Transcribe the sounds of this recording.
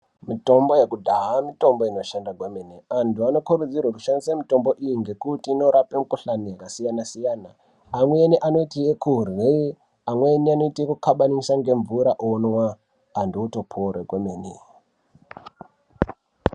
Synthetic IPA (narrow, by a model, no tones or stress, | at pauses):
mito̞mbo̞jekudʱaɦamito̞mboino̞ʃandakwemeneantuano̞kuɾud͡zirwakuʃandisamito̞mbo̞ʔijiŋɡe̞kutiːno̞ɾapemukuɬanijakasijanasijaːnaː | mweːniʔano̞itijekuɦrwe | amwenianoitikukʰaɓanisaŋɡe̞ɱvuɾaʔonwaː | ndouto̞pʰorekwemeːnḛ